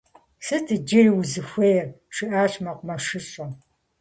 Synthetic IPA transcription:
sɨtʰɨd͡ʒɪriwzɨxʷejɛr | ʈ͡ʂʰɨʔaːɕmɐqʷʊmɐʂɨɕʷʼɐ

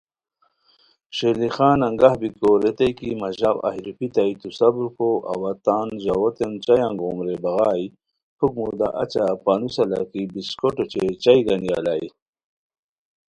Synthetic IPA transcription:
ʂelixaːnɐŋɡahbikoɾet̪ajkimaʑawa̰hiɾipit̪ajt̪usabuɾkoʔa̰wat̪aːnʑawot̪ent͡ɕajaŋɡomɾebaɣaːj | pʰuk̚mud̪a̰ʔat͡ɕapaːnusala̰kibiskoʈot͡ɕet͡ɕajɡanija̰laj

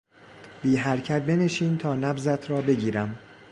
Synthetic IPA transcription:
b̥iːɦæɾcʰæt̪̚be̞neʃiːnt̪ʰɒːnæbzæt̪ʰɾɒːbe̞ɟiːɾæm

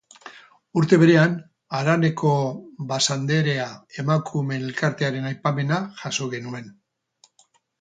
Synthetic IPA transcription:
uɾt̪e̞β̞e̞ɾe̞an | aɾane̞kʰo̞βasand̪e̞ɾe̞ae̞makʰume̞elkaɾt̪e̞aɾe̞najpame̞naʝaso̞ɣe̞nue̞n

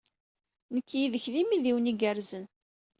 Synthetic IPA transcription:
nəkːjiðəçðimiðiwniɡəɾzən

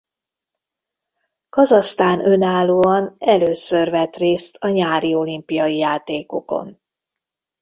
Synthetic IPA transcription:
kɒzɒst̪aːnʔø̞naːlːuːɒnɛløːsørvɛt̪reːst̪ʰɒɲaːɾio̞limpijɒjijaːt̪eːko̞̰ko̞̰n

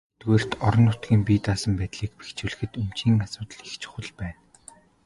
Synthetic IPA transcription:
t̪ɡeːr̥t̪ɔɾɞ̆nʊt̪ɡʲiːmpiːt̪aːsə̆mpæːt̪ɮiːk̚pi̥xt͡ɕuɮɘ̆xɘ̆t̪um̥t͡ɕiːŋasʊːt̪ə̆ɮixt͡ɕʰχə̆ɮpæːn

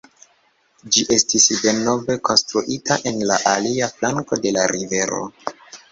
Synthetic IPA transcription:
d͡ʒiʔe̞stisde̞no̞ve̞ko̞nstɾuʔitʰaʔe̞nlaʔaliaflaŋko̞de̞laɾive̞ɾo̞̰

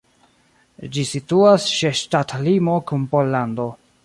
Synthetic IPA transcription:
d͡ʒisituasʃeʃtatlimo̞kunpo̞lːando̞

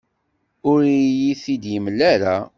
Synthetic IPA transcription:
ʊɾijiθid̪jəmlːæɾa

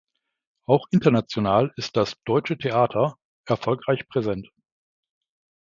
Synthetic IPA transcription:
ʔaʊxʔɪntɐnat͡sjonaːlɪst̚d̥asd̥ɔʏt͡ʃətʰeʔaːtʰɐ | ʔɛɐfɔlkʁ̥aɪçpʁ̥ezɛnt

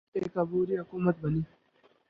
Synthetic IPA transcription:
eːkɐbuːɾiɦʊkuːmət̪̚bɐniː

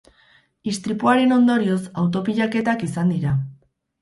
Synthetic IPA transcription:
ist̪ɾipuaɾeno̞nd̪o̞ɾio̞sawt̪̬o̞piʎake̞t̪akisand̪iɾa

